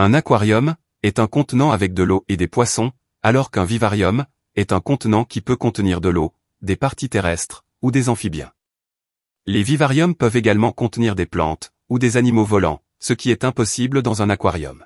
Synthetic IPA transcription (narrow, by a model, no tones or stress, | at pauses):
ɛ̃nakwaʁjɔm | ɛt̪ɛ̃kɔ̃t̪nɑ̃avɛk̚d̪əloed̪epwasɔ̃ | alɔʁkɛ̃vivaʁjɔm | ɛt̪ɛ̃kɔ̃t̪nɑ̃kʲipøkɔ̃t̪niʁd̪əlo | d̪epaʁt̪it̪eʁɛst̪χ | ud̪ezɑ̃fibjɛ̰̃ | levivaʁjɔmpəveɡalmɑ̃kɔ̃t̪niʁd̪eplɑ̰̃t̪ | ud̪ezanimovɔlɑ̰̃ | səkʲiɛt̪ɛ̃pɔsibləd̪ɑ̃zɛ̃nakwa̰ʁjɔ̰m